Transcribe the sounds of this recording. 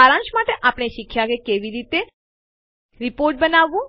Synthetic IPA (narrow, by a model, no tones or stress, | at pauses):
aɾãnʃmaʈeʔaːpɳ̃eʃɪkʰːjakekeʋiɾit̪e | ɾipoːɾʈ̚bənaʋːũ